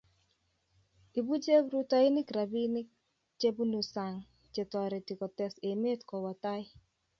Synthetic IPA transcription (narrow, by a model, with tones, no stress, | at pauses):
i˨bu˦t͡ʃe˦bɾu˦tɔ˦i˦ni˦kɾa˨bi˦ni˦k̚ | t͡ʃe˦bu˦nu˨sa˨ŋ | t͡ʃe˨tɔ˨ɾe˨ti˨kɔ˨tɛ˦se˨me˦tkɔ˨wɔ˨ta˦j